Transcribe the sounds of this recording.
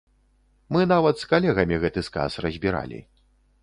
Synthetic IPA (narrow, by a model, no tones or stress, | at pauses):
mɨnavɐt̪skalʲɛɣɐmʲiɣɛt̪ɨska̰srɐzʲbʲiɾa̰lʲḭ